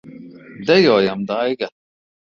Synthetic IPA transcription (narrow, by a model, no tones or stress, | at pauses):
d̪ɛjojamd̪aːjɡa